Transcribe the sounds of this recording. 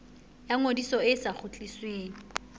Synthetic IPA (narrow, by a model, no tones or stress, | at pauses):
jaŋodisɔɪsaχʊt͡ɬʼisweːŋ̩